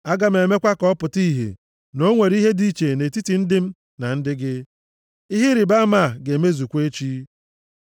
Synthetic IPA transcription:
a˦ɡa˦m̩e˨me˦kʷa˦kɔ˦pʊ˨ti˦ɦḛ˨ | no˦ŋʷe˨ɾi˦ɦe˦di˦˨t͡ʃe˨ne˨ti˦ti˨n̩˦dɪ˦m̩˦ | na˨n̩˦dɪ˦ɡɪ˦ | i˦ɦi˦ɾɪ˨ba˦ma˦˨ɡe˨me˦zu˨kʷe˦t͡ʃi˦

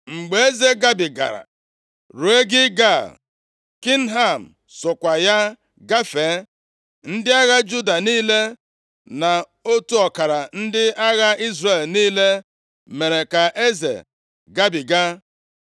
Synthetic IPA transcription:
ŋ͡m̩˨ɡ͡be˨e˦ze˦ɡa˦bi˨ɡa̰˨ɾa̰˨ | ɾu˨e˦ɡɪ˦ɡa˦˨ | ki˦n̩˦ɦa˦˨m̩˨ | sʊ˨kʷa˨ja˦ | ɡa˦fe˨˦ | n̩˦dɪ˦a˦ɣa˦d͡ʒu˦da˨niː˦le˦ | na˨ | o˦tu˦ɔ˨ka˨ɾa˨n̩˦dɪ˦a˦ɣa˦i˦zre˨lniː˦le˦ | me˨ɾe˨ka˨ʔe˦zḛ˨ | ɡa˦bi˨ɡa˦

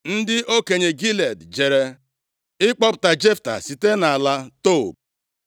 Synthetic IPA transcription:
n̩˦dɪ˦ʔo˦ke˨ɲe˨ɡi˦le˨dd͡ʒe˨ɾe˦ | ɪ˦k͡pɔ˦pʊ̥˨ta˨d͡ʒe˦fta̰˨si˨te˦na˨la˦to˦˨b̚

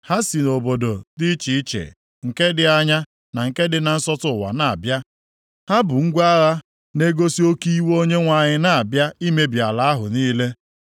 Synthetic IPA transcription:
ha˦si˨no˨bo˨do˨di˦t͡ʃi˨i˦t͡ʃḛ˨ | ŋ̩˨ke˦dɪ˦a˦ɲa˦ | na˨ŋ̩˨ke˦dɪ˨na˨n̩˦sɔ˦tʊ˨wa̰˨na˨a̰˨bja˦ | ha˦bʊ˨ŋ̩˦ɡʷa˦ɣa˦ | ne˦ɡo˦si˦o˦ki˦i˦wo˦ɲe˦ŋʷa˨ɲɪ˨na˨a˨bja˦i˦me˦bja˨la˨˦a˦ɦʊ̰˨niː˦le˦

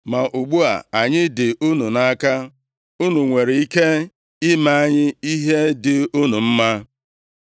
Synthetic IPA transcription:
ma˨ʔu˨ɡ͡bu˦a˨a˨ɲɪ˦dɪ˨ʔu˦nu˨na˦ka˦ | u˦nu˨ŋʷe˨ɾe˨i˦ke˦ | ɪ˦ma˦a˦ɲɪ˦i˦ɦe˦dɪ˨u˦nu˨m̩˦ma˦

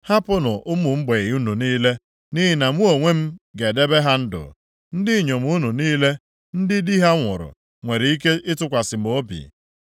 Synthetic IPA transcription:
ha˦pʊ˦nʊ˨ʔʊ˦mʊ˨m̩˦ɡ͡be˨ɣu˦nu˨niː˦le˦ | ni˦ɦi˦na˨m˦o˨ŋʷe˦m̩˦ɡe˨de˦be˦ɦa˦n̩˦dʊ̰˨ | n̩˦dɪ˦˨ɲo˨m̩˦u˦nu˨niː˦le˦ | n̩˦dɪ˦di˦ɦa˦ŋʷʊ˨ɾʊ̰˨ | ŋʷe˨ɾi˨i˦ke˦ʔɪ˦tʊ˦kʷa˨sɪ˨m̩˨o˦bḭ˨

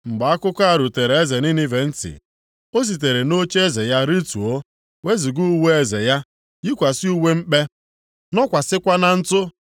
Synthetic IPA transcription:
ŋ͡m̩˨ɡ͡ba˨a˦kʊ˦ka˦˨ɾu˨te˨ɾe˨e˦ze˨ni˦ni˦ve˨n̩˦tɪ̰˨ | o˦s̬i˨t̬e˨ɾe˨no˦t͡ʃe˦ze˨ja˦ɾi˦tu˨o˦ | we˦zi˨ɡu˦we˦e˦˨ze˨ja˦ | ɡi˦kʷa˨si˦u˦we˦m̩˦k͡pe˦ | nɔ˦kʷa˨sɪ˦kʷa˦na˦n̩˦tʊ˦

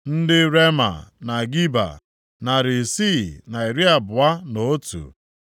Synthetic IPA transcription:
n̩˦dɪ˦ɾe˦ma̰˨na˨ɡi˦ba̰˨ | na˨ɾɪ˨si˦˨na˨i˨ɾi˦a˨bʊ˨a˦no˨˦tṵ˨

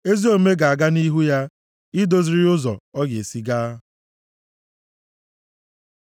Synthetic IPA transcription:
e˦zi˦o˨me˦ɡa˨a˨ɡa˦ni˦ɦu˦ja˦ | ɪ˦do˨zi˨ɾi˦ʊ˦zɔ̰˨ɔ˦ɡḛ˨si˦ɡaː˦

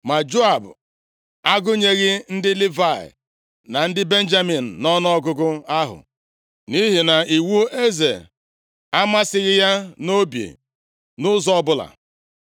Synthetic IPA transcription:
ma˨d͡ʒo˦a˨b | a˦ɡʊ˦ɲe˦ɣɪ˦n̩˦dɪ˦lɪ˦va˨ɪ̰˨ | na˨n̩˦dɪ˦be˦n̩˦d͡ʒa˦mi˨n̩˨nɔ˦n˦ɔ˦ɡʊ˦ɡʊ˦a˦ɦʊ̰˨ | ni˦ɦi˨na˨i˨wu˦e˦ze˨ | a˦ma˦sɪ˨ɣɪ˦ja˦no˦bjḛ˨ | nʊ˦zɔ˦ɔ˦bʊ˦la̰˨

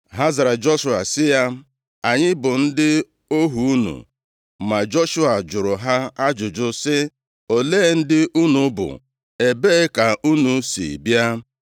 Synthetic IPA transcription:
ɦa˦za˨ɾa˨d͡ʒo˦ʃu˨a̰˨sɪ˦ja˦ | a˨ɲɪ˦bʊ˨n̩˦dɪ˦ | o˦ɦu˨u˦nṵ˨ | ma˨d͡ʒo˦ʃu˦a˨d͡ʒʊ˨ɾʊ˨ɦa˦a˦d͡ʒʊ˨d͡ʒʊ˦sɪ˦ | o˨leː˦˨n̩˦dɪ˦ʔu˦nu˨˦bʊ̰˨ | e˨beː˦ka˨ʔu˦nu˨sḭ˨bja˦

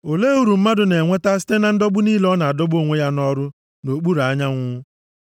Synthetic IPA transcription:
o˨le˦u˦ɾu˨m̩˦ma˦dʊ˨ne˨ŋʷe˦ta˦si̥˦te˦na˨n̩˦dɔ˦bʊ˦niː˦lɔ˦na˨a˨dɔ˦bo˦˨ŋʷe˦ja˦nɔ˦ɾʊ˦ | no˨k͡pu˦ɾa˨a˦ɲa˦ŋʷʊ˦

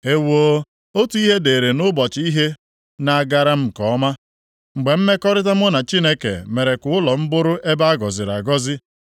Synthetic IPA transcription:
e˦wo˦ | o˦tu˦i˦ɦe˦de˨ɾe˨nʊ˦bɔ˨t͡ʃɪ˨˦i˦ɦe˦ | na˨a˨ɡa˨ɾa˦m̩˨kɔ˨˦ma˦ | ŋ͡m̩˨ɡ͡be˨m̩˦me˦kɔ˦ɾɪ˦ta˦m˦ʊ˦na˨t͡ʃi˦ne˦kḛ˨me˨ɾe˨kʊ˨ʊ˦lɔ˨m̩˦bʊ˦ɾʊ˦ʔe˦ba˦a˦ɡɔ˨zɪ˨ɾa̰˨ɡɔ˦zɪ˦

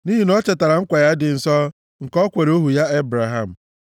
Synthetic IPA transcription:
ni˦ɦi˨nɔ˦t͡ʃe˨ta˨ɾa˨ŋ̩˦kʷa˨ja˦dɪ˨n̩˨sɔ˦ | ŋ̩˨kɔ˦kʷe˨ɾe˦o˦ɦu˨ja˦e˦bɾa˨ɦa˦˨m̩˨

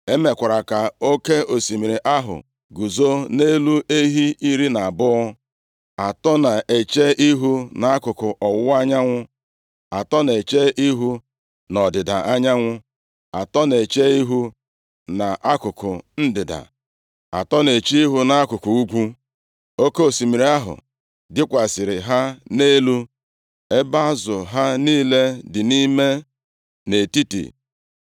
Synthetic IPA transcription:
e˦me˨kʷa˨ɾa˨ka˨o˦ke˦o˨si˨mi˨ɾe˨ʔa˦ɦʊ̰˨ | ɡu˨zo˦ne˦lu˦e˦ɦi˦i˦ɾi˦na˨a˨bʊ˦ɔ˦ | a˨tɔ˦na˨e˨t͡ʃe˦ʔi˦ɦu˦na˨a˦kʊ˨kʊ˨ʔɔ˨wʊ˦a˦ɲa˦ŋʷʊ˦ | a˨tɔ˦ne˨t͡ʃe˦ʔi˦ɦu˦ | nɔ˨dɪ˨da˨a˦ɲa˦ŋʷʊ˦ | a˨tɔ˦ne˨t͡ʃe˦i˦ɦu˦ | na˨ʔa˦kʊ˨kʊ˨n̩˦dɪ˨da̰˨ | a̰˨tɔ˦ne˨t͡ʃi˦i˦ɦu˦na˦a˦kʊ˨ku˨u˦ɡʷu˦ | o˦ko˦˨si˨mi˨ɾi˨a˦ɦʊ̰˨ | dɪ˦kʷa˨sɪ˨ɾɪ˨ɦa˦ne˦lu˦ | e˦ba˦zʊ˨ɦa˦niː˦le˦dɪ˨ni˦me˦ | ne˨ti˦tḭ˨

